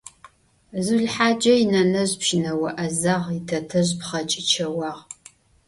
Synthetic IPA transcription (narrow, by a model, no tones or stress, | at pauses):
zuɮħaːd͡ʒɐjinɐnɐʑpʃɪnɐwɐʔɐzaʁitʰɐtʰɐʑpχɐt͡ʃʼɪt͡ʃʰɐwɑːʁ